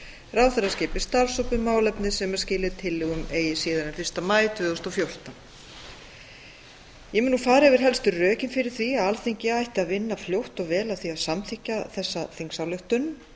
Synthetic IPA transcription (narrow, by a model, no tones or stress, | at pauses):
rawθɛrːascɪːpɪ̥st̪aɾsɔwpʏmaːwlɛpnɪsɛmḁscɪːlɪt̪ʰɪlːɪɣʏmeːjɪsiːðaɾɛnfɪr̥st̪amaːjt̪ʏːðʏst̪ɔwfjowr̥t̪a | jɛmɪnːufaːɾɪɛvɪɾ̥ɦɛlst̪ʏrœːcɪnfɪɾɪɾ̥θviaðalθiɲcɪajht̪ɪaðvɪnːafljowht̪ɔɣvɛːlaðθiaðsamt̪ʰɪhcːaθɛsːaθeŋsawlʏht̪ʏn